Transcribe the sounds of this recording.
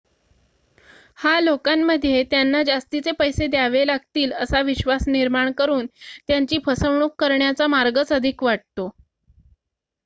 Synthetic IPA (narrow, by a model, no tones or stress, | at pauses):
halokamːəd̪ʱjet̪janːad͡zast̪it͡sepəjsed̪jaʋelaɡ̚t̪iːləsaʋiɕʋasniɾmaɳkəɾuːnt̪jaɲt͡ɕiːpʰəsəʋɳukːəɾɳjat͡samaɾɡət͡səd̪ʱikʋaʈ̚t̪o